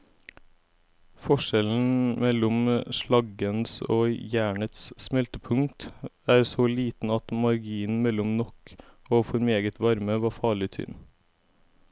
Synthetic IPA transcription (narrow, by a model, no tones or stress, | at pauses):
fɔʃɛln̩mɛlʊmʃɭɑɡənsoːjæːɳət̪ssmɛlt̪əpʰʉŋt̪æːɾsoːliːt̪n̩ɑt̪mɑɾɡiːənmɛlʊmnɔk | oːfɔɾmeːɡət̪ʰʋɑɾməʋɑːfɑːɭɪt̪ʰʏ̰n